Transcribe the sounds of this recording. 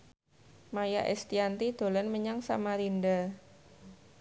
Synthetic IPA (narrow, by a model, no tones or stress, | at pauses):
majaʔɛ̰st̪iant̪id̪̥o̤lənməɲaŋsa̰maɾinda